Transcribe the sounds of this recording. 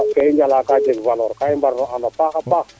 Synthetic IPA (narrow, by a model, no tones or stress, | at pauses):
kaind͡ʒalakad͡ʒekvalɔɾkaimbaɾnɔanapaxapa